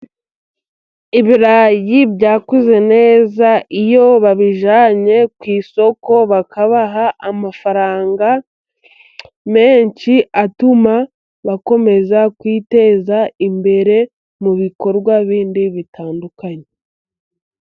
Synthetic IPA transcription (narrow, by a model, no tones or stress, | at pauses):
iβiɾaːjibɟaːkuze̞ne̞ːzaʔijo̞βaβiʒaːɲe̞kwiːso̞ko̞βakaβaɦaamafaɾaːŋɡa | me̞ːɲt͡ʃiʔatuma | βako̞me̞zakwiːte̞ːzaimbe̞ɾe̞ | muβiko̞ɾɡwaβiːndiβitʰaːndukaɲe